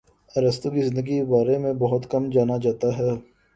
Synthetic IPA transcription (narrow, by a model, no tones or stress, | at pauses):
ɐɾəst̪okizɪnd̪əɡibaːɾemẽbɐɦʊt̪kɐmd͡ʒaːnad͡ʒaːt̪aɦɛː